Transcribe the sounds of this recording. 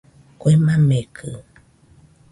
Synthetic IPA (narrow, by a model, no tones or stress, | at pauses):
koimamekʰɨ